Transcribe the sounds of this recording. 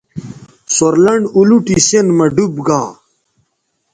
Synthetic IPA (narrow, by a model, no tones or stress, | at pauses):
soɾlɐɳɖuluʈisenmɐɖubɡaː